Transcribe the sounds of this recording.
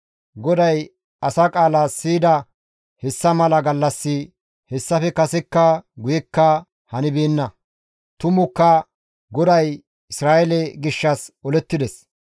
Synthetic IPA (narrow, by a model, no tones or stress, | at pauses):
ɡɔd̪ɐj | ʔɐsaːkʼaːlaːsiːd̪ɐ | hɛsːɐmɐlɐɡɐlːɐsːɪ | hɛsːɐfɛkɐsɛkːɐɡʊjɛkːɐ | hɐnɪbeːnːɐ | t̪ʊmʊkːɐ | ɡɔd̪ɐj | ɪsɾaːʔɛlɛɡɪʃːɐsɔlɛt̪ːɪd̪ɛs